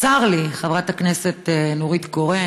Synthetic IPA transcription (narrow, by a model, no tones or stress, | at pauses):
t͡saʁliχavʁathakneset̪enoʁit̪ɡoʁe